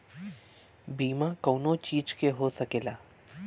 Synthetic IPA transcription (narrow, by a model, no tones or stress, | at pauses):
biːmakəːnot͡ʃiːd͡ʒkeɦosɐkeːlaː